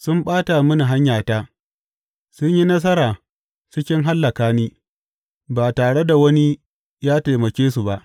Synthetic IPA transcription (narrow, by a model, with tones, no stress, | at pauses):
sʊ˦mɓaː˦ta˨mʊ˦ni˨ɦa˦ɲjaː˨taː˦ | sʊ˦ɲji˦nɐ˦s̬ɐ˦ɾaː˨ | t͡ʃɪ˦kʲɪ˦ŋɦa˦lːɐ˨kaː˦niː˦ | baː˨taː˨ɽe˦da˨wɐ˦ni˦ | jaː˦te˨mɐ˨kʲeː˦su˨ba˦˨ʔ